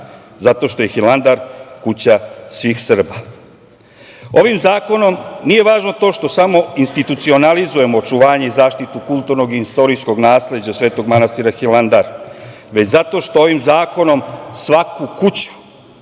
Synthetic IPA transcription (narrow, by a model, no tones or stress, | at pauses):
zat̪o̞ːʃt̪o̞je̞xiland̪aɾkut͡ɕasʋiːxsr̩ba | o̞ʋimzaːko̞no̞mnije̞ʋaːʒnot̪o̞ːʃt̪o̞samo̞inst̪it̪ut̪sio̞nalizuje̞mo̞ːt͡ʃuʋaːɲe̞izaːʃt̪it̪ukulˠt̪uɾno̞ɡiist̪o̞ɾisko̞ɡnaːsle̞d͡ʑasʋe̞ːt̪o̞ɡmanast̪iɾaxiland̪aɾ | ʋe̞t͡ɕzat̪o̞ːʃt̪oo̞ʋimzaːko̞no̞msʋakukut͡ɕu̥